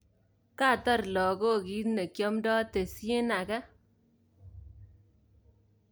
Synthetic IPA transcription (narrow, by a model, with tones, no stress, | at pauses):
ka˦˨tɔ˦˨ɾlɔ˨ko˦˨ki˨˦tne˨kjɔ˦mdɔ˦te˨sje˦na˨kɛ˦